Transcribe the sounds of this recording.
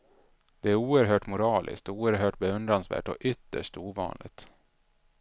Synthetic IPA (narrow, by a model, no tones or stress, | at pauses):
d̪̥ɛæɾuːəɾɦœːʈmʊɾɑːlʔɪ̰skt̪uːəɾɦœːʈ̚bɛɵnd̪ɾansvæ̰ːʈɔ̰ʔʏt̪ːə̰ʂʈuːvɑ̰ːnlɪ̰t̪